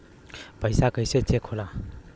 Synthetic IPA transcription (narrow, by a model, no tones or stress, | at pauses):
pʌjsakəjset͡sekʰola